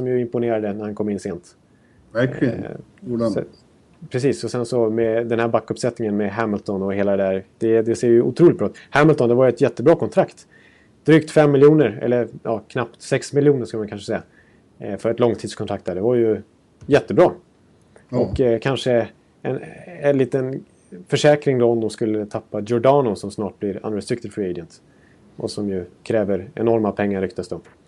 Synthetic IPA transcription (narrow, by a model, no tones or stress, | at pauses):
sɔmjɵɪmpʊneːɾad̪ənæɾhankʰɔmːɪnːseːnt̪ | pʰɾɛsiːsɔsɛnsɔmɛd̪ɛnhæːɾbakːɵpsɛt̪nɪŋənmɛɦæmɪlt̪ɔnɔheːlad̪ɛd̪æɾd̪̥ɛd̪ɛseːɾjɵʔʊ̰t̪ʰɾuːlɪt̪̚bɾɑːt̪hæmɪlt̪ɔnd̪ɛvaɾjʏɛt̪jɛt̪ːəbɾɑːkʰɔnt̪ʰɾakt̪ | d̪̥ɾyːkt̪fɛmːɪljuːnəɾɛ̰lːəɾjɑːkʰnapt̪sɛksmɪljuːnəɾʂkɵlmankʰanʂəsɛja | fœɾɛt̪lɔŋːt̪ʰiːd̪skʰɔnʰɾakt̪̚d̪æːɖɛvaɾjɵ | jɛt̪ːəbɾɑː | ʔɔkːkʰanʂə | ɛnɛnliːt̪ən | fœʂɛːkɾɪŋd̪ɔɔmd̪ɔmskɵlːət̪ʰapːajɔɖɑːnʊsɔmsnɑːʈ̚blɪɾa̰nɾɛst̪ɾɪk̚t̪ɪfɹɪɛdənt̪ | ʔɔsɔmjɵkʰɾɛːvəɾɛ̰nɔɾmapʰɛŋːaɾːʏkt̪ast̪ɵpː